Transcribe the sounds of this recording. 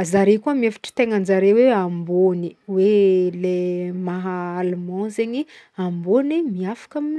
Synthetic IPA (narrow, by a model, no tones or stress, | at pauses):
zaɾekuəmiefi̥ʈ͡ʂə̥t̪eŋənd͡zaɾeweamboni̥welemaɦaːlumɑ̃zeɲi | ambonimiafḁkamini